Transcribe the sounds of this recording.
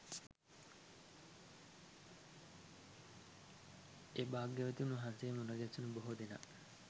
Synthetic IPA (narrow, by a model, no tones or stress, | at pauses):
ebaːɡːeʋæt̪inɦansejːmunɐɡæsunuboɦod̪ena̰